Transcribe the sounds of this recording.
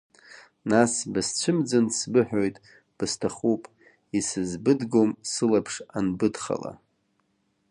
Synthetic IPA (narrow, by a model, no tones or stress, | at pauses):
nasbɨst͡ɕʷʰɨmd͡zɨnsbɨħᶣojtʼ | b̥ɨstʰaχupʼ | isɨzbɨdɡomsɨlapʰʂanbɨdχa̰la̰